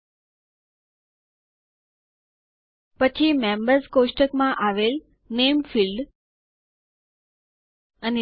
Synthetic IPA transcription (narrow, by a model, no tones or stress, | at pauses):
pət͡ʃʰimembəɾzkoʂʈəkmãʔaʋel | nemfilɖ | əne